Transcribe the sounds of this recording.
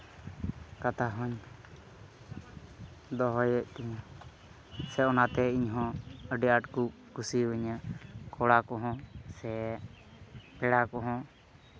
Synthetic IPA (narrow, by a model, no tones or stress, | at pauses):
kat̪aɦɔɲ | d̪ɔɦɔjəʔt̪ɛɲ | sɛɔnat̪ɛiɲɦɔ̃əɖɛaʈkuk | kusiwəɲakɔɽakɔɦɔ̃sɛ | pɛɽakɔɦɔ̃